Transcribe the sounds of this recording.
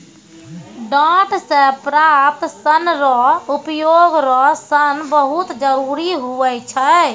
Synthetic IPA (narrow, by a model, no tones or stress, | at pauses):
ɖaʈsẽpɾap̚t̪sənɾɔupjoɡɾɔsənbəɦut̪d͡ʒəɾuɾiɦuʋɛt͡ʃʰə